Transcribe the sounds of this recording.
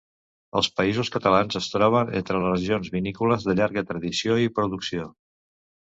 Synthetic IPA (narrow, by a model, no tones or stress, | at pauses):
ə̰lˠspəizuskət̪əlanzəst̪ɾɔβ̞ənḛnt̪ɾəərəʒionzβinikuləzðəʎaɾɣət̪ɾəðisioipɾuðuksio